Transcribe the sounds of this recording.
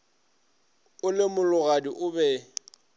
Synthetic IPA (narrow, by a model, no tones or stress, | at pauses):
ʊlɪmʊlʊɣadiʔʊbɛ